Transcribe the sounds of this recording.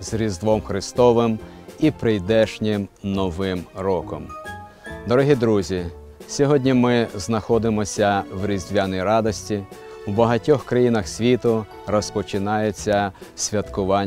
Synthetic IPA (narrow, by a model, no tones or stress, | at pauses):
zɾʲizd̪ʋɔmxɾɪst̪ɔʋɪmipɾɪjd̪ɛʃnʲɪmnɔʋɪmɾɔkɔm | d̪ɔɾɔɦʲid̪ɾuzʲi | sʲɔɦɔdʲnʲimɪznɐxɔd̪ɪmɔsʲɐʋɾʲizʲdʲʋjanɔjɾɑd̪ɔsʲtʲiwbɐɦɐtʲɔxkɾɐjinɐxsʲʋʲit̪ʊ | ɾɔspɔt͡ʃɪnɑjet͡sʲːɐsʲʋʲjɐt̪kʊʋɑnʲ